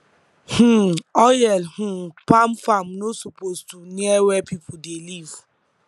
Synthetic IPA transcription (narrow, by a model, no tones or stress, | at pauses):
h̩ɔjɛlh̩pam̩fam̩nosupoztuneɛwɛpipʊdeliv